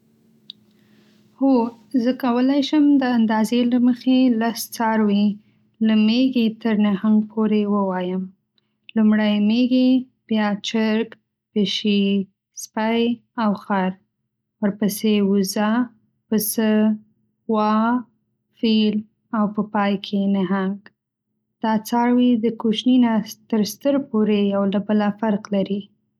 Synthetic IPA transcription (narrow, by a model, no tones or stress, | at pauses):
ho | zəkawəlajʃəmd̪əand̪ɑzelaməxelast͡sɑɾwi | ləmeɡet̪əɾnahaŋɡpʰoɾewəwɑjəm | lumɽajmeɡe | b̥jɑt͡ʃəɾk | pəʃi | spajawxaɾ | wəɾpəsewuza | pəsə | wɑ | fil | awpəpɑjkʰenaɦaŋɡ | d̪̥ɑt͡sɑɽwid̪əkuʃninat̪əɾst̪əɾpoɾejawlabəlafaɾqlaɾi